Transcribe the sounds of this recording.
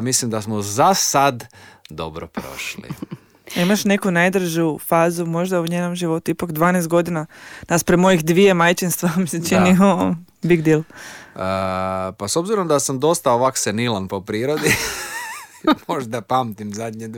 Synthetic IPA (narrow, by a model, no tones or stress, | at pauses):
mislimd̪asmozasad̪d̪o̞̰bɾopɾo̞̰ʃlḭ | imaʃne̞kunajd̪ɾ̩ʒufaːzumo̞ʒd̪auɲeːno̞mʒiʋo̞t̪uipakd̪ʋaːnes̬t̪ɡo̞d̪inanaspɾemo̞jixd̪ʋije̞majt͡ʃinst̪ʋamiset͡ʃinio | biɡd̪ilˠəpasobziɾomd̪asamd̪o̞st̪aoʋaksenilˠanpopɾiːɾod̪i | moʒd̪apamt̪imzad̪ɲed̪